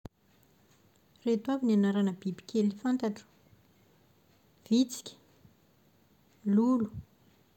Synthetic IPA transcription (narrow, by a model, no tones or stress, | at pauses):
ret̪wavinianaɾanəbibi̥kʲʰelifant̪aʈ͡ʂu̥ | v̥it͡si̥kʲə̥ | lulu̥